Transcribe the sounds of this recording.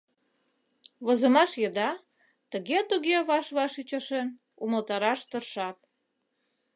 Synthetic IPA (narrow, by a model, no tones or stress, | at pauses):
βŏzəmɑʃjəd̪ɑ | t̪əɣet̪uɣeβɑʃβɑʃit͡ɕə̆ʃen | uməlt̪ɑɾɑʃt̪ərʃɑt̪̚